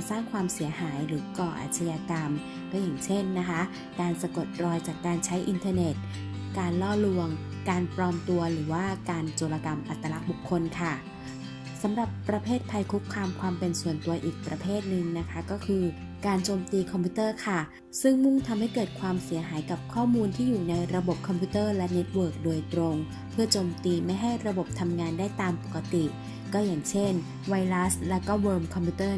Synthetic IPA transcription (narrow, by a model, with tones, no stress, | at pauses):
saː˥˩ŋkʰwaː˧msi˨˩˦ɐɦaː˩˦jɾɯː˩˦kɔː˨˩ʔa̰˨˩t̪ʰa˧jaː˧ka˧m | ba˦jaː˨˩ŋt͡ɕʰe˥˩nːa˦˥kʰa˦˥ | kaː˧nsa˧ko˨˩t̪̚ɾɔː˧jt͡ɕaː˨˩kːaː˧nt͡ɕʰa˦˥jʔi˧nt̪ʰaː˧ne˨˩t̪̚ | kaː˧nlɔː˥˩lu˧əŋ | kaː˧npɾɔː˧mt̪u˧ɐɾɯː˩˦waː˥˩kaː˧nt͡ɕoː˧la˧ka˧mʔa˨˩t̪ːa˧la˦˥k̚bu˨˩kʰːo˧nkʰa˥˩ | sa˩˦mɾa˨˩pːɾa˧pʰeː˥˩t̪̚pʰa˧jkʰu˦˥kʰːaː˧mkʰwaː˧mpe˧nsu˨˩ənt̪u˧ɐʔiː˨˩k̚pɾa˧pʰeː˥˩t̪̚nɯ˨˩ŋna˦˥kʰa˦˥kɔː˥˩kʰɯː˧ | kaː˧nt͡ɕoː˧mt̪iː˧kʰɔ˧mpʰu˦˥t̪ɤː˥˩kʰa˥˩ | sɯ˥˩ŋmu˥˩ŋt̪ʰa˧mha˥˩jkɤː˨˩t̪̚kʰwaː˧msi˨˩˦ɐɦaː˩˦jka˨˩p̚kʰɔː˥˩muː˧nt̪ʰiː˥˩juː˨˩na˧jɾa˧bo˨˩p̚kʰɔ˧mpʰu˦˥t̪ɤː˥˩lɛ˦˥ne˦˥t̪̚wɤː˨˩k̚doː˧jt̪ɾo˧ŋ | pʰɯ˥˩ɐt͡ɕoː˧mt̪iː˧ma˥˩jɦa˥˩jɾa˧bo˨˩p̚t̪ʰa˧mŋaː˧ndaː˥˩jt̪aː˧mpo˨˩kːa˧t̪i˨˩ | kɔː˥˩jaː˨˩ŋt͡ɕʰe˥˩n | wa˧jla˦˥slɛ˦˥wkɔː˥˩wɤː˧mkʰɔ˧mpʰu˦˥t̪ɤː˥˩